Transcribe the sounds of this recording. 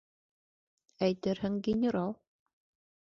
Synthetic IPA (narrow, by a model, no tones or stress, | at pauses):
æjt̪ɘɾhɘŋɡʲɪnʲɪɾɑlˠ